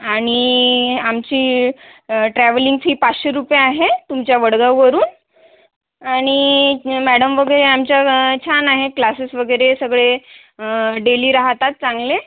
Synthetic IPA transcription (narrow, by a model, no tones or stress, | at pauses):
aɽ̃iamt͡ɕiː | ʈɾæʋəliŋɡsɦiːpat͡sɕeɾupjeaɦet̪umt͡ɕjaʋəɽɡawʋəɾuːn | aɽ̃imæɽəmʋəɡəjɾeamt͡ɕjat͡ɕʰanaɦeklasəsʋəɡəjɾesəɡɭe | ɖeliːɾaɦt̪at̪̚t͡saŋɡle